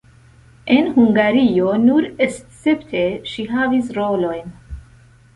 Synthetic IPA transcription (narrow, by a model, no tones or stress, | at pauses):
enhuŋɡaɾionuɾest͡septʰeʃiɦavisɾolo̞jn